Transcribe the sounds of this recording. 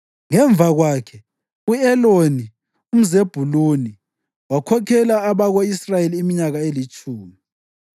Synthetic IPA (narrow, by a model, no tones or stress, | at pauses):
ŋɛɱb̪vʱaɣwaːkʰɛ | uɛloni | um̩zeb̥ʱuluni | wakʰɔkʰɛlaːβaɣoisrajeliːmiɲaɣaelit͡ʃʼʰuːmi